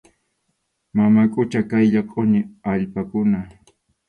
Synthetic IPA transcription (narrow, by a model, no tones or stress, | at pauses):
mamakʼʊt͡ʃakajʎɑqʼonɪaʎpakʊna